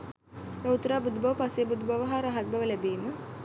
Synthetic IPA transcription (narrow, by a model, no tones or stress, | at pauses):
maut̪ːəɾaːbud̪ubɐʋəpasejbud̪ubaʋəɦaːɾaɦat̪̚bɐʋəlæbeːmə